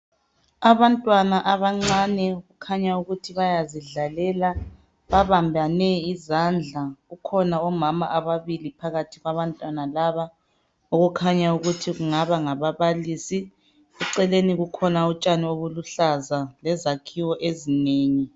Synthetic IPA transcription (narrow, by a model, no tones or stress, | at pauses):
aβantʼwanaʔaβaŋ͡ǀanɛɣukʰaɲauɣutʰiβajaziɮalɛla | βaβambʱanɛizand͡ɮʱaɣukʰɔnaɔmama̰ʔaβaβilipʰaɣatʰiɣwaβantʼwanalaβa | oɣukʰaɲauɣutʰiɣuŋaβaŋaβaβaliːsi | ɣuǀɛleniɣukʰɔnaut͡ʃʼanioβuluɬazalɛzakʰiwɔʔezineːŋi